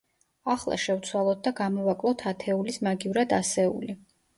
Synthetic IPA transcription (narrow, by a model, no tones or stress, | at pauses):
aχlˠa̰ʃɛvt̪sʰwalˠɔt̪̚d̪aɡamɔvakʼlˠɔt̪ʰat̪ʰɛulismaɡivɾad̪asɛṵli